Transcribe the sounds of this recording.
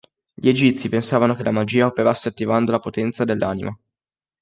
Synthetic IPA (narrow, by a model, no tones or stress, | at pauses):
ʎied͡ʒit̪sipensaːvanokelːamad͡ʒiːaopeɾasːeat̪ːivand̪olapot̪ɛnt̪sad̪elːaːnḭmʔa